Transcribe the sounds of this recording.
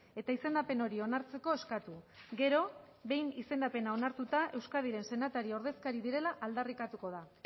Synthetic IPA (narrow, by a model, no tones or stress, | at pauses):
e̞t̪aise̞nd̪ape̞no̞ɾio̞naɾt͡se̞ko̞e̞skat̪uɡe̞ɾo̞βe̞jnise̞nd̪ape̞nao̞naɾt̪ut̪aʔe̞wskaðiɾe̞nse̞nat̪aɾio̞ɾð̞e̞skaɾiðiɾe̞laʔald̪arikat̪uko̞ð̞a